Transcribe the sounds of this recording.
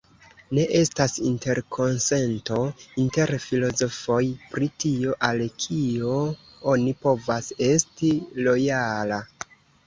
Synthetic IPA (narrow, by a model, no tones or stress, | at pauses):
ne̞ʔe̞stasinte̞ɾkʰo̞nse̞nto̞inte̞ɾfilo̞zo̞fo̞jpɾitio̞ʔalkʰio̞ | o̞nipo̞vase̞stilo̞jala